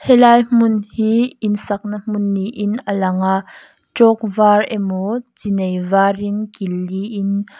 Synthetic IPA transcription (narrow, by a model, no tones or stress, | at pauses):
hɛlaːjm̥ʊnhiɪnsɐk̚nɐm̥ʊnːiʔɪnəlɐŋa | t͡ʃɔk̚vaːrɛmot͡sinejvaːrinkilːiʔɪn